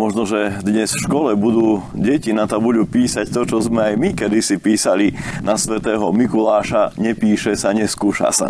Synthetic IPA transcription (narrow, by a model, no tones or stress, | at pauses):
mɔʒnɔʒɛd̪ɲɛsfʃkɔlɛbud̪uː | ɟɛcinat̪abuɟuːpiːsact̪ɔt͡ʃɔzmɛajmikɛd̪isipiːsalinasʋɛt̪ɛːɦɔmikulaːʃaɲɛpiːʃɛsaɲɛskuːʃa̰sa̰